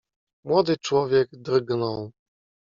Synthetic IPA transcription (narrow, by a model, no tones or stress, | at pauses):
mwɔd̪ɘt͡ʂwɔvʲjɛɡd̪rɡnɔw